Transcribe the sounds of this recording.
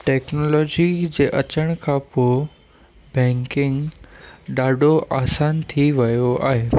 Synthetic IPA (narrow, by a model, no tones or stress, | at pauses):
ʈɛːknoːlɔːd͡ʑid͡ʑeːʔɐt͡ɕəɽ̃kʰãpoː | bɛ̃ːŋkɪ̃ŋɡ | ɗaːɖʱoʔaːsaːnt̪ʰiʋɐjoa̰ːɦeː